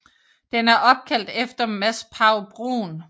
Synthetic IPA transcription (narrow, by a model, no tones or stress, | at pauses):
d̥enæɐʔɒ̽b̥̚kʰæl̰d̥efd̥ɐmæspʰɑ̈ʊb̥ʁo̰ːn